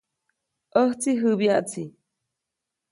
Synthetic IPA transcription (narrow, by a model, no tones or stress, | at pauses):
ʔəht͡siɦɨβjaʔt͡si